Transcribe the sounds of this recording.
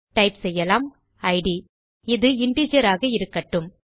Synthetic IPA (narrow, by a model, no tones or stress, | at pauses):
ʈɐɪpsɛjːɐlaːm | ɐɪɖi | ɪðɯɪɳɖiːd͡ʒɐɾaːɣɐɪɾɯkːɐʈːɯm